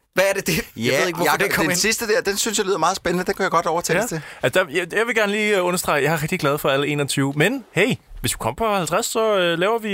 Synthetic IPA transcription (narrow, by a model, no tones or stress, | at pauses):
ʋæːɐded̥e̝jeðˠeɡ̥ʋd̥ekʰɒnsisd̥əd̥æɐ̰d̥ensynsjalyːðˠmɑ̈ːð̩ˠsb̥enənəd̥enkʰujaɡ̥ɒ̽d̥ɒʊɐt͡sʰɛ̰lt͡sʰe̝æd̥ɑjjɑ̈ɪʋe̝ɡ̥æɐnəliːɔ̽nɐsd̥ʁɑ̈ɪjɑ̈ɪhɑ̈ʁɛɡ̥d̥iɡ̥lɛð̞̩ˠfɒ̽æləe̝ːnɒ̽t͡sʰyːʊmenheɪ̰ʋesʋ̥ikʰɒ̽m̰ɐpʰɒ̽hælt͡sʰʁasːɒ̽ølɛːʊɐʋi